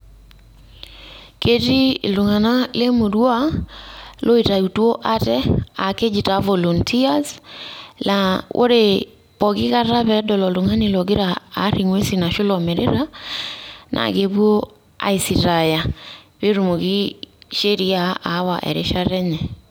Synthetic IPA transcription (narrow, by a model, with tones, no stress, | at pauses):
ke˦ti˦˨lo˨ŋa˨na˦le˦mo˨ɾwa˦ | lo˦i˨ta˨u˨two˦ʔa˦tɛa˨ke˦d͡ʒi˨ta˨vɔ˨lɔ˨ntʰi˦a˦s | la˨ʔo̰˦ɾe˦ | pɔ˨ki˦ka˦ɾa˦βɛ˦dɔ˨lɔ˨lo˨ŋa˦ne˨lɔ˨ɡe˦ɾaː˨˦ɾi˨ŋwe˦si˨na˨ʃo˦lɔ˨mɛ˨ɾḛ˦ɾa˦ | nʔa̰˨ke˦βwo˦ | a̰˨i˨si˨ɾa˨ja˨ | βe˦ɾu˨mo˨ɣi˦ʃe˦ɾi˦a˦a˨˦wa̰˨ʔɛ̰˨ɾḛ˦ʃa˦ɾɛ˦ɲɛ˨